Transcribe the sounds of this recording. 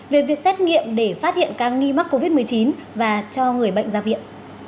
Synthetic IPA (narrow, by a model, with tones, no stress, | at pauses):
ve˨˩vi˨˩ək̚sɛ˦˥t̚ŋḭ˧˨əmɗe˧˩faː˦˥t̚hḭ˧˨ənkaː˦˥k̚ŋi˧ma˦˥k̚ːo˧vi˦˥t̚mɨ˨˩əjt͡ɕi˨˦nvaː˨˩t͡ɕɔ˧ŋɨ˨˩əjɓə̰˧˨jŋ̟zaː˧vḭ˧˨ən